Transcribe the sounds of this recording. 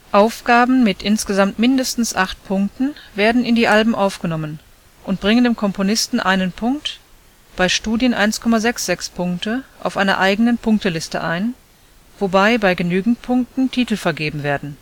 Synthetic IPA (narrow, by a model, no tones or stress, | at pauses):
ʔaʊfɡ̥aːbm̩mɪtʔɪnsɡ̥əzamtmɪndəstn̩sʔaχt̚pʰʊŋk̚tn̩veːɐdn̩ɪndiːʔalbm̩ʔaʊfɡ̥ənɔmən | ʔʊnt̚b̥ʁɪŋəndeːmkʰɔmponɪstn̩ʔaɪnənpʰʊŋkt | b̥aɪʃtuːdjənʔaɪnskʰɔmazɛksz̥ɛkspʰʊŋktəʔa̰ʊfʔaɪnɐ̰ʔaɪɡənənpʰʊŋk̚təlɪstə̰ʔa̰ɪn | v̥obaɪbaɪɡənyːɡŋ̩t̚pʰʊŋk̚tn̩tʰiːtl̩fɛɐɡeːbm̩veːɐdn̩